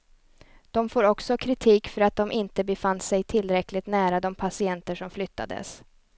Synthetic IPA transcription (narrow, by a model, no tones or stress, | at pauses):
d̪̥ɔmfoːɾɔksɔkʰɾɪt̪ʰiːkfœɾat̪̚d̪ɔmʔɪnt̪əbɛfansɛjt̪ʰɪlːɾɛklɪɡ̚t̪næːɾad̪ɔmpʰasɪɛnt̪əʂɔmflʏt̪ːa̰d̪ə̰s